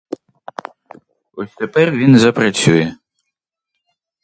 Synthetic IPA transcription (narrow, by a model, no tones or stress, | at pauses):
ɔsʲt̪ɛpɛrʋʲinzɐpɾɐt͡sʲujɛ